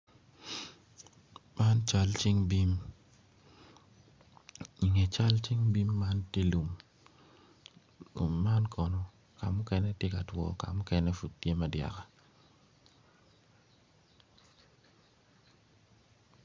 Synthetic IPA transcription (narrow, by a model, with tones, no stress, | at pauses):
ma˦nt͡ʃa˦lt͡ʃi˦ŋbi˦m | i˨ŋɛ˨t͡ʃa˦lt͡ʃi˦ŋbi˦mːa˦ntje˦lu˨m | lṵ˨mːa˦nkʰɔ˨nɔ˨ | ka˨mʊ˦kɛ˦nɛ˦tje˦ka˨twɔ̰˨ka̰˨mʊ˦kɛ˦nɛ˦fu˨t̚tje˦ma˨dja̰˨ka˨